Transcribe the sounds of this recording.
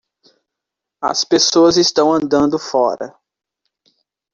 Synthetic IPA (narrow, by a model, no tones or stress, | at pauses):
ɐ̰spesoɐzɪst̪ɐ̃w̃ɐ̃nd̪ɐ̃nd̪ʊfɔɾɐ̰